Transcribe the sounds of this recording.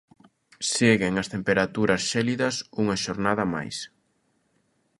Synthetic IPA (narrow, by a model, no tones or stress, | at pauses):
seɣeŋɐst̪empeɾat̪uɾɐsʃɛliðɐsuŋɐʃoɾnaðɐma̰js